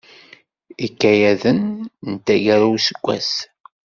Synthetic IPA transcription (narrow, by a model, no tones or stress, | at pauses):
ikːæjæðənnt̪ːæʝæɾuwsəɡʷːæ̰s